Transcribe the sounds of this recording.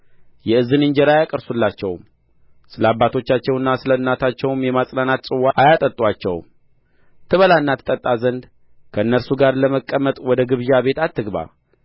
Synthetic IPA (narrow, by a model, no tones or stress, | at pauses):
jɛɨzːɨnɨɲd͡ʒɛɾajakʼəɾsulːat͡ʃːɛwm | sɨləabːat̪ʰo̞t͡ʃːat͡ʃːɛwɨnːasɨləɨnːat̪ʰat͡ʃːɛwmjɛmasʼlanat̪sʼɨwːaajat̪ʼət̪ʼwat͡ʃːɛ̰wm | t̪ʰɨβəlanːat̪ʰɨ̥t̪ʼət̪ʼːazənd̪ | kʰəɨnːəɾsuɡaɾləməkʼːəmːət̪ʼwɔd̪əɡɨβʒaβe̞t̪at̪ːɨɡβa̰